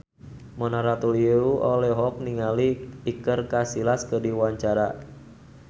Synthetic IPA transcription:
mɔnaɾat̪uliuɔlɛɦɔk̚niŋaliːkərkasilaskədiwaɲt͡ʃaɾa

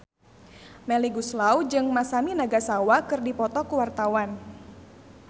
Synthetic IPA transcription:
mɛliɡuslaud͡ʒɨŋmasaminaɡasawakɨrdipɔt̪ɔkuwart̪awan

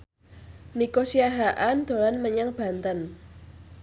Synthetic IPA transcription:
nikosiaɦaʔand̪̥o̤lanməɲaŋb̥a̤nt̪ən

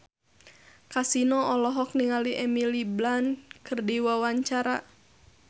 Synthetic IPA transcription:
kasinɔɔlɔɦɔk̚niŋaliʔɛmiliblankɨrdiwawaɲt͡ʃaɾa

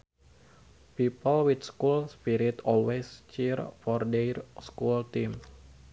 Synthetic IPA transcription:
pipəlwit̪skulspiɾit̪ɔlwest͡ʃirfɔrderskult̪ims

